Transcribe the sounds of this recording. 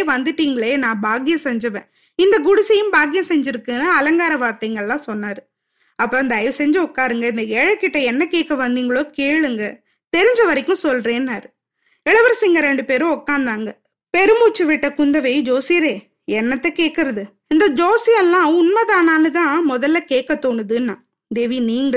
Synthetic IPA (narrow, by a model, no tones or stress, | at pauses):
ʋɐnd̪ɯʈːiːŋɡɐɭeːnãːbaːɡɪjɐ̃sɛɲd͡ʒɐʋḛ̃ː | ɪnd̪ɐkʊɽʊsɪjɯ̃mbaːɡɪjɐ̃sɛɲd͡ʒɪɾɯkːɯnɐɐlɐŋɡaːɾɐʋaːɾt̪ɐɪŋɡɐɭlãːsɔnːaːɾɯ | ɐpːoːɪnd̪ɐɐjʋsɛɲd͡ʒɐɔkːaːɾɯŋɡɐɪnd̪ɐɛɻɐkːɪʈːɐɛnːɐkeːʈ̚kːɐʋɐnd̪iːŋɡɐɭoːkeːɭɯŋɡɐ | t̪ɛɾɪɲd͡ʒɐʋɐɾɪkːʊ̃sɔlɾeːnːaːɾɯ | ɛɭɐʋɐɾsɪŋɡɐɾɛɳɖɯpeːɾʊ̃ɔkːaːnd̪aːŋɡɐ | pɛɾɯmuːt͡ʃːɯʋɪʈːɐkʊnd̪ɐʋɐɪd͡ʒoːsɪjɐɾeː | ɛnːɐt̪ːɛkeːʈ̚kːɪɾɐðɯ | ɪnd̪ɐd͡ʒoːsɪɛlːãːʊnmɐðaːnaːnɯt̪ãːmɔðɐlːɐkeːʈkːɐt̪ːoːɳɯðɯnːãː | d̪eːʋiniːŋɡɐ